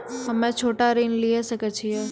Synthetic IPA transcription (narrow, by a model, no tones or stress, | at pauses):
ɦəmɛ̃t͡ʃʰoːʈaɾenlijeʃəket͡ʃʰijɛ